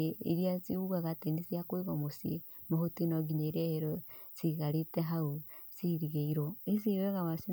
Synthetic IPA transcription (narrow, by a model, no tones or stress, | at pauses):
eḛɾijasiuɣaɣatenisiakwiɣɔmosie | mohotinɔɡiɲeɾɛheɾɔsiɣaɾetɛɦausiɾiɣeiɾoes̬iɾɛɣaβasi